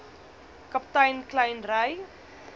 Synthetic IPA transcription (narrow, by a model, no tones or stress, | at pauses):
kɐptɐjnklɐjnrɐj